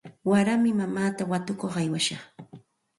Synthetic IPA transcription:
waɾamɪmamaːt̪awat̪ʊkoχajwaʃɑχ

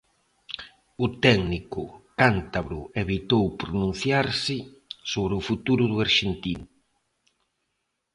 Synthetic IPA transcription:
ʊt̪ɛɡnikʊkant̪aβɾʊeβit̪owpɾonũn̟θjaɾsɪsoβɾɪʊfut̪uɾʊðʊaɾʃent̪in

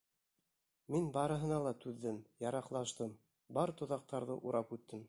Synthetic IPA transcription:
minbɑɾɤ̆ɦɤ̆nɑlˠɑt̪ʉðːɘmjɑɾɑqlˠɑʃt̪ɤm | bɑɾt̪ŏðɑq̚t̪ɑɾðɤʔuɾɑpʉt̪ːɘm

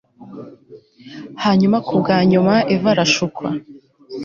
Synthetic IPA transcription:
haːɲumakʰubɡaɲumaʔevaɾaʃukʰwa̰

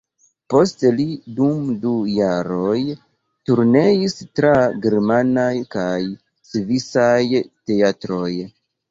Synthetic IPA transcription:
po̞stelidumdujaɾo̞j | tuɾne̞istɾaɡe̞ɾmanajkaj | svisajte̞atɾo̞j

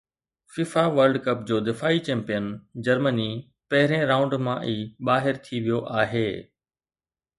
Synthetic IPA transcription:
fɪfaʋəɾɖkɐpd͡ʑoːd̪ɪfaːit͡ɕɛ̃ːmpijənd͡ʑɐɾməni | pɐɦɪɾẽɾãːʊ̃ɳɖmãʔiːɓaːɦɪɾt̪ʰiʋijoʔaːɦeː

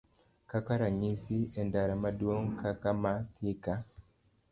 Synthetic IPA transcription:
kakaɾaɲisiendaɾamadwoŋkakamat̪ika

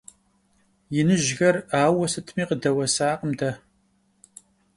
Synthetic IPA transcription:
jɪnɨʒɣɐraːwɐsɨtʰmiːqədɐwɐsaːqəmdɐ

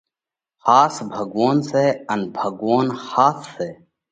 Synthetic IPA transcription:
xaːsbʱəɡwaːnseːənbʱəɡwaːnxaːsːeː

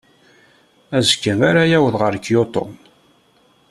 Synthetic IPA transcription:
æzəkːəmaɾajæwəðʁəɾkːjot̪ˤo̰n

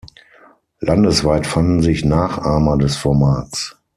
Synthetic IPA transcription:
landəsv̥aɪtfandn̩zɪçnaːχʔaːmɐdɛsfɔɐmaːts

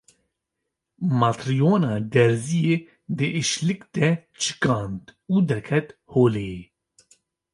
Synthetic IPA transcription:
mɑt̪ɾijoːnɑːd̪ɛɾzije | d̪ɨʔiʃlɨkd̪̥ɛt͡ʃʰɨ̥kɑːnt̪uːd̪ɛɾkʰɛt̪hoːleje

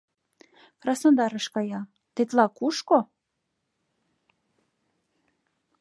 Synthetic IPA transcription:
krɑsnod̪ɑɾəʃkɑjɑ | t̪et̪lɑkuʃko

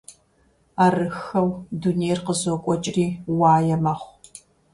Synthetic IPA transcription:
aːrɨxɐwdunejrqəzokʷʼɔt͡ʃʼriːwɑːjɛmɐχʷ

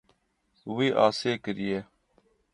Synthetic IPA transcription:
wiːʔaːseːkəɾijeː

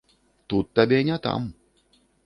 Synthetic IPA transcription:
t̪ut̪ːabʲeɲʲat̪a̰m

